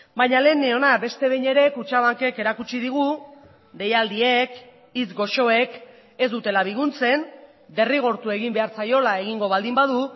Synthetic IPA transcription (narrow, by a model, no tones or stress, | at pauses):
bajɲale̞neo̞nabe̞st̪e̞βejɲe̞ɾe̞kut͡ʃaβaŋke̞ke̞ɾakut͡ʃið̞iɣ̞u | d̪e̞jald̪ie̞k | it͡sɡo̞ʃo̞e̞k | e̞zd̪ut̪e̞laβ̞iɣunt͡se̞n | d̪e̞riɣ̞o̞ɾt̪ue̞ɣ̞imbe̞aɾt͡sajo̞lae̞ɣ̞iŋɡo̞βald̪imbaðu